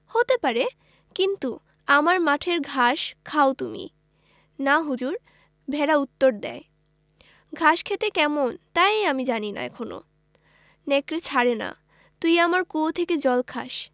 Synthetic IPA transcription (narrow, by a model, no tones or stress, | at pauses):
hot̪epaɾe | kint̪u | amaɾmaʈʰeɾɡʱaʃkʰaot̪umḭ | naɦud͡ʑuɾ | bʱɛɾaut̪ːoɾd̪ɛ̰e | ɡʱaʃkʰet̪ekɛmont̪ajamid͡ʑanina̰ɛ̰kʰono̰ | nekɾet͡ɕʰaɾena̰ | t̪ujamaɾkot̪ʰeked͡ʑɔlkʰa̰ʃ